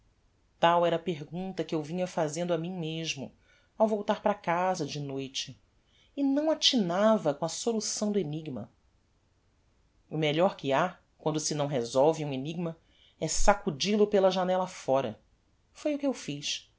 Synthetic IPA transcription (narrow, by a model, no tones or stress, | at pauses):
t̪awɛɾɐpeɦɡũnt̪ɐkɪewvĩɲɐfazẽnd̪ʊamĩmeʒmʊ̰ | awvowt̪aɾpɾɐkazɐd͡ʒɪnojt͡ʃɪː | nɐ̃w̃at͡ʃinavɐkõɐsolusɐ̃w̃d̪ʊeniɡmɐ̰ | ʊmeʎɔɾkɪa | kwɐ̃nd̪ʊsɪnɐ̃w̃ɦezɔwvɪũeniɡ̚mɐ | ɛsakud͡ʒilʊpelɐʒanɛlɐfɔɾɐ̰ | fojʊkɪewfiʃ